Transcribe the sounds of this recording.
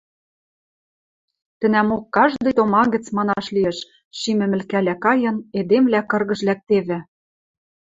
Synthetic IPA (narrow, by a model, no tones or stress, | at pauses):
t̪ɘ̆næmokːɑʒd̪ɤ̆jt̪omɑɡɘ̆t͡smɑnɑʃliĕʃ | ʃimɘ̆mɘ̆lkælækɑjɤ̆ned̪emvlækɤ̆rɣɤ̆ʃlæk̚t̪eβɘ̆